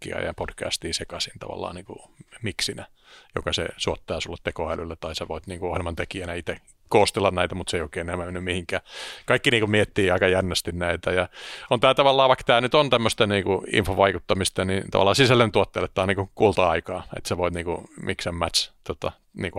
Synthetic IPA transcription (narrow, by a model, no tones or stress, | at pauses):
ḭɑ̰jɑ̰pod̥kæ̰st̪iːsekɑsint̪ɑ̰ʋɑ̰lːɑ̰ːniːŋkṵmiksinæjo̰kɑsḛsuot̪ːɑːsulːet̪t̪ekoælylːet̪ɑiseʋoit̪niːŋkuohielmɑnt̪ekiænæit̪e | koːst̪elːɑnnæit̪æmut̪seioˑikeːnenemːæmenːymmihiŋkæːkɑikːiniːŋkumiet̪ːiːɑikɑjænːæst̪innæit̪æjɑont̪æːt̪ɑʋɑlːɑːʋɑikt̪æːnyt̪ont̪æmːøst̪ɑniːkuḭɱfoʋɑikut̪ːɑmist̪ɑnit̪ɑ̰ʋɑ̰lːˑɑːsisælːent̪uot̪ːelːet̪ːɑːnniːkukuːlt̪ɑɑikɑːḛt̪seʋoit̪niːŋkṵmiksæmmæt̪st̪ot̪ɑ̰ | niːŋku